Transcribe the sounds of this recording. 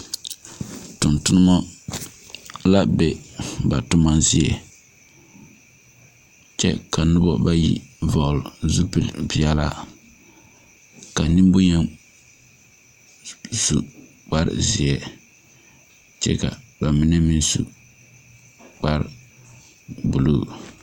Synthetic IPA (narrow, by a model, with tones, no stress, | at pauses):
tʊ˨ntʊ˦nɨ˦mɔ˦ | la˦be˨ba˨tʊ˦ma˦zɪ˦ɛ˨ | t͡ʃɛ̰˦ka˨nʊ˦bɔ˦ba˦jḭ˦vɔ˨ʔlzu˦pɨ˨lbi˨ɛ˦la̰˦ | ka˨ni˦mbʊ˦ɲɛ˦ | su˨ | k͡pa˦ɾɪ̰˨zɪ˨ɛ˨ | t͡ʃɛ̰˦ka̰˨ba˨mɪ˦nɛ˦mi˦nsṵ˨ | k͡pa˦ɾ | bu˨luː˦˨